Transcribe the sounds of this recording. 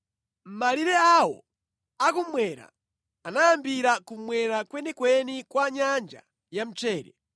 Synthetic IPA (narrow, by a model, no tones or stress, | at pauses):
m̩maliɾɛawɔ̰ | akumwɛɾa̰ː | najambiɾakumwɛɾakwɛnɛkwɛnikwaɲand͡ʒa̰ | jam̩t͡ʃɛːɾɛ̰